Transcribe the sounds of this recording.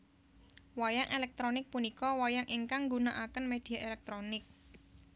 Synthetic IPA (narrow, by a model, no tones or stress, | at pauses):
wajaŋʔelɛk̚t̪ɾonɪk̚punikɔwajaŋʔiŋkaŋɡunaʔakənmed̪̥i̤aʔelɛk̚t̪ɾonɪk̚